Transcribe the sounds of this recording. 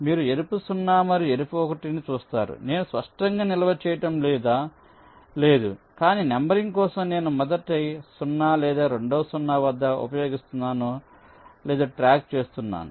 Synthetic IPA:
miːɾue̞ɾipusunːaːmɐɾieɾupuɔkɐʈinit͡ʃuːst̪a̰ːɾṵne̞ːnuspɐʂʈɐŋɡaːnilɐʋɐt͡ʃɛːjɐʈɐmlɛːd̪aː | leːd̪ṵkaːniːnembɐɾiŋɡkɔːsɐmne̞ːnumɔd̪ɐʈːɐjsunːaːlɛːd̪aːɾe̞ɳɖoːɐsunːaːʋɐd̪ːɐṵpɐjo̞ːɡist̪unːaːnu | lɛːd̪aːʈɾaːk̚t͡ʃe̞ːst̪unːa̰ːnu

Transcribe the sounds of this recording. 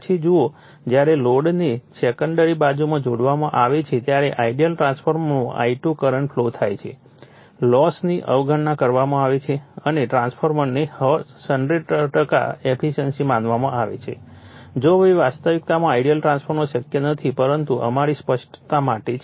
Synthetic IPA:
t͡ʃʰid͡ʒuo | d͡ʒjaɾeloɖnisekəɳɖəɾibad͡ʒumãd͡ʒoɽʋamãʔaʋet͡ʃʰet̪jaɾeʔaiɖijəlʈɾãnspʰoɾmənũʔa̰iʈukəɾəɳfʰlot̪ʰajt͡ʃʰḛ | lɔsniʔəʋɡʱəɳːakəɾʋamãaʋet͡ʃʰeəneʈɾãnspʰoɾməɾnihəsəɳɖɾeɖʈəka̰epʰiʃənsimanʋamãaʋḛt͡ʃʰḛd͡ʒoʋiʋast̪əʋik̚t̪amãaiɖijəlʈɾãnspʰəɾnoʃəkjənət̪ʰipəɾənt̪uʔə̰maɾispəʃʈt̪amaʈet͡ʃ

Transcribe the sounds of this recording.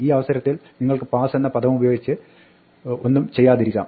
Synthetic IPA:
iːɐʋɐsɐɾɐt̪ːilniŋːɐɭkɨpaːsenːɐpɐd̪ɐʋɐmubɐjo̞ːɡit͡ɕːɨ | o̞nːumt͡ɕe̞jːaːðiɾikʲːa̰ːm

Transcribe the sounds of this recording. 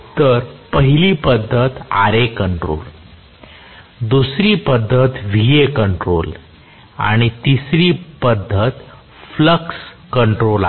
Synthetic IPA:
t̪əɾpəɦiliːpəd̪ʱːət̪a̰ɾekəɳʈɾo̰l | d̪usɾiːpəd̪ʱːət̪ʋiekəɳʈɾol | a̰ɽ̃it̪isɾiːpəd̪ʱːət̪ | fləks | kəɳʈɾola

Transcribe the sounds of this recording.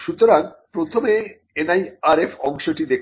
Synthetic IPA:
ʃut̪oɾaŋpɾot̪ʰome | enajaɾefʰɔŋʃoʈid̪ek

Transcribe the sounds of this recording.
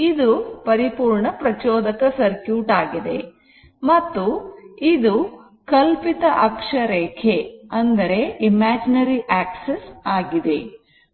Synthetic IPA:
id̪upɐɾipuːɾɳɐpɾɐt͡ʃɔːd̪ɐkɐsɐɾkjuːʈaːɡid̪e̞̰ | mɐt̪ːuid̪u | kɐlpit̪ɐʔɐkʂɐɾɛːkʰeɐnd̪ɐɾe̞imaːd͡ʒinɐɾiʔaːksesaːɡid̪e̞

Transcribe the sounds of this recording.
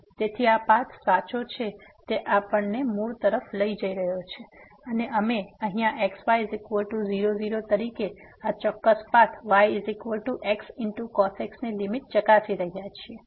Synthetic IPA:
t̪et̪ʰiapat̪ʰsat͡ʃot͡ʃʰet̪eʔapəɳnemuɭt̪əɾəfləid͡ʒəiɾəɦjot͡ʃʰe | əneʔəmeəɦĩaʔeksʋajzikʋəʈuziɾoziɾot̪əɾike | at͡ʃɔkːəspat̪ʰʋajzikʋəʈuʔeksɪɳʈukɔseksnelimit̪̚t͡ʃəkasiɾəɦijat͡ʃʰie

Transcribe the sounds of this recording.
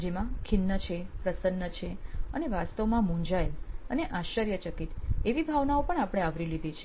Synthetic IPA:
d͡ʒemãkʰɪnːət͡ʃʰepɾəsənːət͡ʃʰeəneʋast̪əʋmãmũɲd͡ʒajləneʔaʃʋəɾjət͡ʃəkit̪eʋibʱaʋnaopəɳapɽ̃eaʋɾilid̪ʱet͡ʃʰe

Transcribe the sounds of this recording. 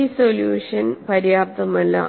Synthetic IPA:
isoljuːʂɐnpɐɾjaːp̚t̪ɐmɐlːɐ̰

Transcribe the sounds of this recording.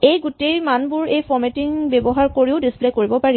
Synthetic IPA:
ejɡutejmanbʊɹejpʰɔɹmetiŋbebɔɦaɹkoɹiʊdisplekoɹibɔpaɹi

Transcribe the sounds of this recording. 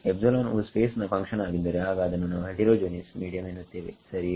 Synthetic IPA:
ebsɐlaːnuːspeːsnɐpɐŋkʂɐnaːɡind̪ɐɾeaːɡɐːd̪ɐnːunaːʋɐʈiɾoːd͡ʒoːnismiːɽijɐmenːut̪ːeːʋesɐɾi

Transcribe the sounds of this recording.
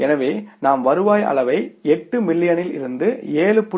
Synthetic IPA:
ɛnɐʋeːnaːmʋɐɾɯʋaːjɐ̰ɭɐʋɐɪɛʈːɯmɪlːɪjɐnɪlɪ̰ɾɯnd̪ɯeːɭɯpːʊ

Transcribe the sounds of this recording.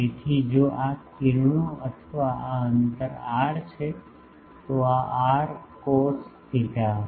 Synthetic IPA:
et̪ʰid͡ʒoʔakɪɾɳ̃õət̪ʰəʋaaənt̪əɾaːɽt͡ʃʰe | t̪oaʔaɾkosp̪iʈa

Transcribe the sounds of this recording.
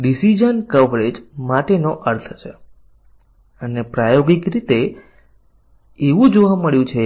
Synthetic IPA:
ɖisid͡ʒənkəʋɾed͡ʒmaʈenoʔəɾt̪ʰət͡ʃʰe | ənepɾajoɡikɾit̪e | eʋũd͡ʒoʋaməɭjũt͡ʃʰe

